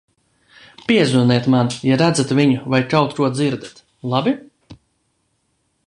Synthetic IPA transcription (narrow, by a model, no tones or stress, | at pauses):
pʲiɛzunɛɛt̪manjaɾæd̪zat̪vʲiɲuvajkawt̪ɾuɔd̪d̪ziɾd̪at̪ | lˠabi